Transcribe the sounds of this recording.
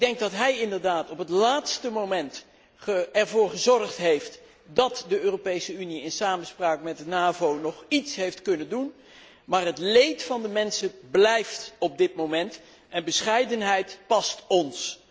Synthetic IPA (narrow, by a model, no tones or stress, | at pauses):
ɪɡ̚dɛŋɡ̚dɑtɦɛjɪndəɹdaːtɔpɦətlaːtstəmowmɛnt | əɛɹvʊːɹχəzɔrχtɦejft | dɑtdəøːropejsəyniɪnsaːmənspraːkmɛt̚dənaːvownɔχitsɦejftkɵnəndun | maːrɦətlejtfɑndəmɛnsəblɛjftɔp̚dɪtmowmɛnt | ɛnbəsχɛjdənɦɛjtpɑstɔns